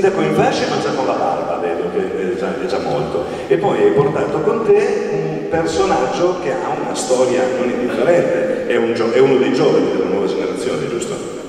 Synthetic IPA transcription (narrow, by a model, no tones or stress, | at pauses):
nd̪akɔiɱfat͡ʃːamant͡ʃaonlaba̰lba̰vɛːd̪ok̟eɛd͡ʒaɛd̪ɛd͡ʒamːo̰lt̪o | epːɔjajport̪aːt̪okont̪eum | personad͡ʒːok̟ea̰unast̪ɔːɾjanonind̪ifːeɾɛnt̪eɛund͡ʒɔɛunod̪ejd͡ʒɔːvanid̪elːenwɔvad͡ʒeneɾat̪sːjoːnḛd͡ʒust̪o̰